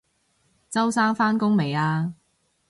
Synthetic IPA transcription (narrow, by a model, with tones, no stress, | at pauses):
t͡sɐ˥wsaː˥ŋfaː˥nkʊ˥ŋme˨˩jaː˧